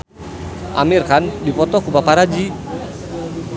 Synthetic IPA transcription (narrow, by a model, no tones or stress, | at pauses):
ʔa̰mirkandipɔt̪ɔkubapaɾad͡ʒi